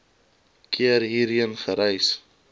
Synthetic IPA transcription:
kʰiəɾɦiːɾiənχəɾɛjs

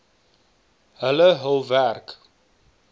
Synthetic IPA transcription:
ɦələɦəlˠværk

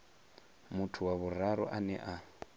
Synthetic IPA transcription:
mutʰuwaβuraɾɔ̰ʔanɛ̰ʔa

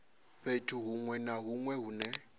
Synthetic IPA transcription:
ɸetʰuɦuŋwɛnaɦuŋwɛɦunɛ

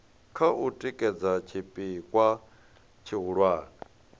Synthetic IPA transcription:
kʰaʔutʼikʼɛd͡zat͡ʃʰipʼikʼwa | t͡ʃʰiɦuɺwaːni

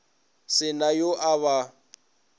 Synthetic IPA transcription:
sɪnajoʔaβa

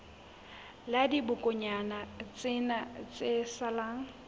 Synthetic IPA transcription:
ladibʊkʼʊɲanat͡sʼɪnat͡sʼesalaːŋ̩

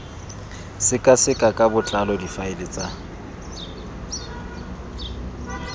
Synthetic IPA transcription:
sɪkʼasɪkʼakʼabʊt͡ɬʼalɔdifaɪlɪt͡sʼa

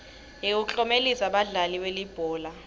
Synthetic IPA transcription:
ɦiut͡ɬʼɔmelisaɓaɮaliwelib̥ʱɔːla

